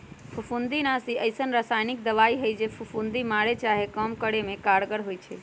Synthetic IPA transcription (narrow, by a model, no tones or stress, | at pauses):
pʰupʰund̪inasiəjsənɾasajnik̚d̪əʋaiɦəjd͡ʒepʰupʰund̪imaɽet͡ʃaɦekəmkəɽemekaɽɡəɽɦojt͡ʃʰɛ